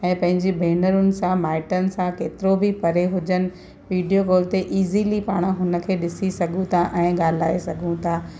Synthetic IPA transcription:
ɛ̃ːpɐ̃ɦɪ̃ɲd͡ʑibʱeːnəɾʊnɪ̆sãmaːɪʈənɪ̆sãkeːt̪ɪɾobipɐɾeɦʊd͡ʑənɪ̆ | ʋiːɖijoɡoːlt̪eʔiːzilipaːɽ̃ɦʊnə̆kʰeːɗɪsisɐɡʱũt̪ʰaʔɛ̃ːɠaːl̤aːesɐɡʱũt̪ʰaː

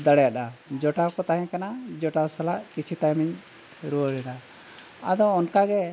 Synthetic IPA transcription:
d̪əɽɛjaɗad͡ʒɔʈakɔt̪aɦɛ̃kanad͡ʒɔʈasalaʔkit͡ʃʰit̪ajmiɲ | ɾuəɾɛda | ad̪ɔːnkaɡɛ

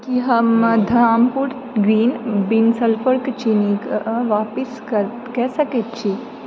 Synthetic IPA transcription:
kiɦɐmd̪ʱɐɾaːmpuɾ | ɡɾiːnbinsəlpʰəɾkt͡ʃinikʋaːpiskəɾ | kɛːsɐket̪̚t͡ʃʰi

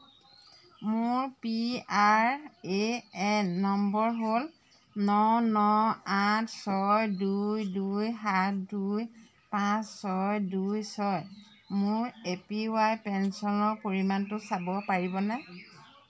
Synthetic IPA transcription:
mʊɹpiaɹeɛnːɔmbɔɹɦol | nɔnɔatʰsɔjdujdujɦatduj | pãssɔjdujsɔj | mʊɹepiwajpɛnsɔnɔɹpoɹimantʊsabɔpaɹibɔnɛ

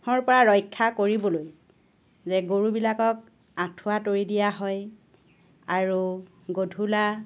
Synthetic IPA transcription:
ɔɹpɔɹaɹɔjkʰːakoɹibɔloj | zɛɡoɹubilakɔk̚ | atʰʊwatoɹidijaɦɔj | aɹu | ɡodʱula

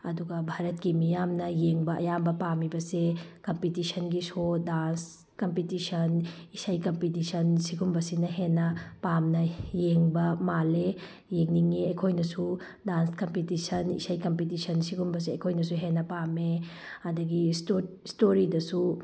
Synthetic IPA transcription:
ɐduɡɐbʱaɾɐt̚kimijamnɐjeŋbɐʔɐ̰jambɐpamibɐsekɐmpitisʰɐnɡisʰodans | kɐmpitisɐnisɐjkɐmpitisʰɐnsiɡumbɐsinɐɦenːɐpamnɐjeŋbɐmale | jeŋniŋeɐjkʰojnɐsu | danskɐmpitisɐnḭsɐjkɐmpitisʰɐnsiɡumbɐs̬eɐjkʰojnɐs̬uɦenːɐpame | ɐdɐɡisto | stoɾidɐsu

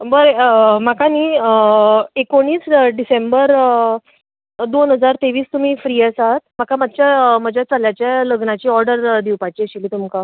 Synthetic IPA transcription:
bəɾemakaniːəekoɽ̃iːsɖisembəɾ | d̪onɦəd͡zaɾt̪eʋiːst̪um̤iːfɾiːəsaɦt̪m̤akamad̪ɕjaməd͡ʑʱjat͡saljat͡ɕjaləɡnat͡ɕiːɔɾɖəɾd̪iwpat͡ɕiːəɕiliːt̪umka

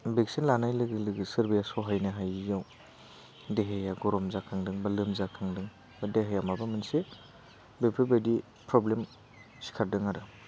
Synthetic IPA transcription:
beksinlanajlɯɡɯlɯɡɯsɯɾbijasɔɦajnaɦajjaw | deɦejaɡɔɾɔmzakʰaŋdɯŋbalɯmzakʰaŋdɯŋ | badeɦejamabamɯnse | bepʰɯbedi | pɾɔblem | si̥kʰaɾdɯŋaɾɯ

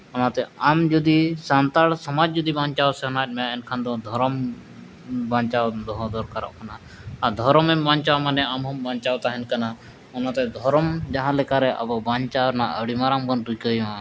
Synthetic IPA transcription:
ɔnat̪ɛamd͡ʒɔd̪isant̪aɽsɔmad͡ʒd͡ʒɔd̪ibãɲt͡ʃawsɛɦɔnat̚ˀmɛjaɛnkʰand̪ɔd̪ʱɔɾɔm | baɲt͡ʃawd̪ɔɦɔd̪ɔɾkaɾɔ̰ʔkana | ad̪ʱɔɾɔmɛmbaɲt͡ʃawmanɛamɦɔmbaɲt͡ʃawt̪aɦɛnkana | ɔnat̪ɛd̪ʱɔɾɔmd͡ʒaɦãlɛkaɾɛʔa̰bɔbaɲt͡ʃawnaʔə̰ɽimaɾambɔnɾukəimã

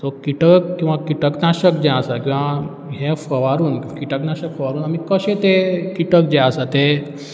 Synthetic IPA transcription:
t̪ɔkiʈəkːĩw̃ʋakiʈəknaɕək̚d͡ʑɛ̃asakĩw̃ʋa | ɦẽfəʋaɾuːnkkiʈəknaɕəkfəʋaɾuːnamikəɕet̪ekiʈək̚d͡ʑɛ̃asat̪e

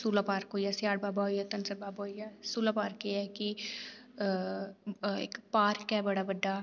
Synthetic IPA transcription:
suːlapaːɾkɦoːjasɪjaːɽbaːbaojat̪ɐnsɐɾbaːbaijasuːlapaːɾkeɛki | ḛkpaːɾkɛbɐɽabɐɖːa

